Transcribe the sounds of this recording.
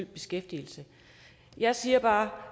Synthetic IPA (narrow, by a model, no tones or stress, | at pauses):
yl̰̚b̥e̝sɡ̥efd̥il̩sə | jɑ̈ɪsiːɐb̥ɑ̈ː